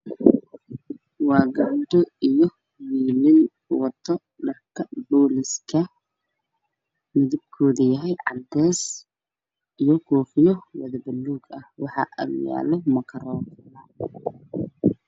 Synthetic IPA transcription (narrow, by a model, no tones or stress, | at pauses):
wɑːɡɐnd̪ɔijɔ | wiːlɪn | wɑt̪ʰːɔ | ɖɐrkʰɐbɔːlɪskʰɐ | mɪðɪb̚kʰɔːðɐjɐɦɛjʕɑ̰d̪ɛːs | ijɔkʰɔːfɪjɔwɐðɐbɐlːuːɡɐhwɑħɑ̰ʔɐ̰lja̰ːlɔmɐkʰɐɾɔːtlaː